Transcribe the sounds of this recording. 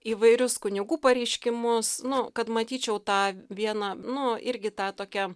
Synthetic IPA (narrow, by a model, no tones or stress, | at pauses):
iːʋɐɪɾʲʊskʊnʲɪɡuːpɐɾʲɛɪʃʲkʲɪmʊsnʊkɐt̪mɐt̪ʲiːt͡ʃʲɛʊt̪ɑːʋʲiɛnɐnʊɪɾʲɡʲɪt̪ɑːt̪oːkʲɛ